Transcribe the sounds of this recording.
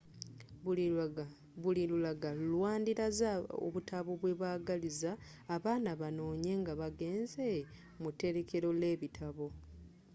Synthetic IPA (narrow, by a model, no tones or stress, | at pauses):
βulilulaɡaulwaːndiɾazao̰βutʰaβoβwe̞βaːɡalizaː | βaːnaβano̞ːɲe̞ŋɡaβaɡe̞ːnze | mute̞ɾe̞ke̞ɾo̞le̞ːβitʰaβo̞